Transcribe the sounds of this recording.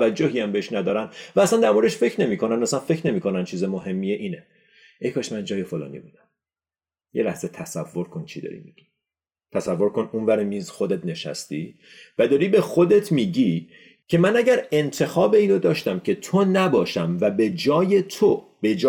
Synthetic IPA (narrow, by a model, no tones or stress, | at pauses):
æd͡ʒːoɦiæmbeeʃnæd̪ɒːɾænd̪væːsænd̪æɾmoɾd̪eʃfe̞cʰɾne̞miːkʰo̞nænmæsænfe̞cʰɾne̞miːkʰo̞nænt͡ʃʰiːzemoɦe̞mːieʔiːne | ʔejkʰɒːʃmænd͡ʒɒːje̞fo̞lɒ̰ːnḭbud̪æm | jelæhz̥e̞t̪ʰæsævːo̞ɾkʰont͡ʃʰid̪ɒ̰ːɾḭmḭɟ̥i̥ | t̪ʰæsævːo̞ɾkʰo̞nunvæɾemiːzxo̞d̪e̞t̪ne̞ʃæ̰st̪ḭː | væd̪ɒːɾiːbexod̪e̞t̪ʰmiːɟi | cʰe̞mænæɟæɾe̞nt̪ʰe̞xɒːbe̞iːnod̪ɒːʃt̪æmcʰe̞t̪ʰonæbɒːʃæmvæbe̞d͡ʒɒːje̞t̪ʰo | b̥e̞d͡ʒ